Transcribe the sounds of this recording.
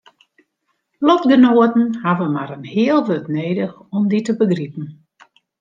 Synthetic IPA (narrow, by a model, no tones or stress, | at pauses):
lɔtɡənoətn̩havəmaɾənhɪəlˠʋøtneːdəxɔmditəbəɡripən̩